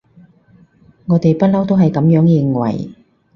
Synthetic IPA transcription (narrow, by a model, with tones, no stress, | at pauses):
ŋɔː˨˧t̪e˨jpɐ˥t̚lɐ˥wt̪o˥wɦɐ˨jkɐ˨˥mjœː˨˥ŋjɪ˨˧ŋwɐ̰˨˩j